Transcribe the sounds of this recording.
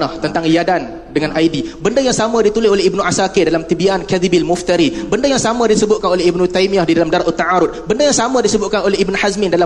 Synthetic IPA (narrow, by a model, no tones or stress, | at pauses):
naht̪ənt̪aŋjadan | dəŋanʔajdibəndəjaŋsamə̃dit̪ulɪsolehibnuʔasakɪdalamt̪ibiankaðibilmuft̪əɾibəndəjaŋsamə̃disəbʊt̪kanoleibnũt̪ajmiahdidalamdaɾaʔət̪ːaʕaɾʊt̪̚bəndəjaŋsamə̃disəbʊt̪̚kanoleɦibnhazmɪndala